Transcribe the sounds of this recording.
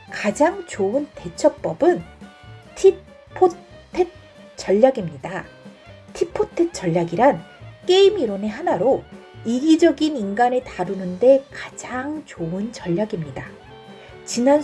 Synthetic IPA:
kad͡ʑaŋt͡ɕoɯnte̞t͡ɕʰʌk̚p͈ʌbɯn | tʰi | pʰːo | tʰet̚ | t͡ɕ͈ʌʎːaɡimɲida | tʰipʰotʰet͡ɕ͈ʌʎːaɡiɾank͈e̞imiɾone̞ɦanaɾoiɡid͡ʑʌɡininɡanetaɾunɯnde̞kad͡ʑaŋt͡ɕoɯnt͡ɕʌʎːaɡimɲida | t͡ɕinan

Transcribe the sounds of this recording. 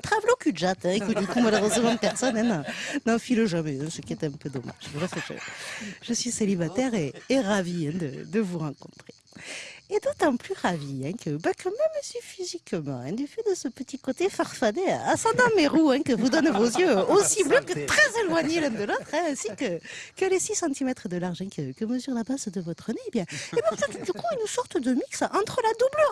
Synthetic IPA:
t̪χavlokyʒat̪ɛ̃ekud̪ykumalɔʁd̪ɑ̃səʒɑ̃d̪əpɛʁsɔnɛ̃nɑ̃nɑ̃filøʒamɛɛ̃səkʲiɛt̪ɛ̃pød̪ɔma̰ʒvulasəʒə̰ʒ̥əsɥiselibat̪ɛʁeːʁaviɛ̃d̪ə̰d̪əvuʁɑ̃kɔ̰̃t̪χe | ed̪ot̪ɑ̃plyʁaviɛ̃kʰəbakʰəmɛmʒəsɥifizikmɑ̰̃ɛ̰̃d̪yfɛd̪əsəpət̪ikot̪efaʁfad̪eaasɑ̃d̪ɑ̃meʁuɛ̃kəvud̪ɔnvozjøosibløkət̪χɛzelwaɲelɛ̃d̪əlot̪χɛ̃ɛ̃sikəkəlesisɑ̃t̪imɛt̪χəd̪əlaʁʒɛ̃kəkəməzyʁlabazd̪əvɔt̪χəneːbjɛ̃ebɛ̃fɛt̪ud̪ykuynsɔʁt̪əd̪əmiksɑ̃t̪χəlad̪ubløʁ

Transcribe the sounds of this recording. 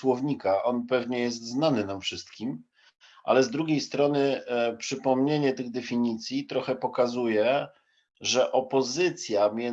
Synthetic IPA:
wɔvɲikaʔɔnpɛvɲɛjɛs̬t̪znanɘnamfʂɘst̪̚kʲim | ʔa̰lɛzd̪ɾuɡʲejst̪ɾɔnɘpʂɘpɔmɲeɲɛt̪ɘɣd̪ɛfʲiɲit̪sʲjit̪ɾɔxɛpɔkazujɛ | ʐɛʔɔpɔzɘt̪sʲjamʲjɛ

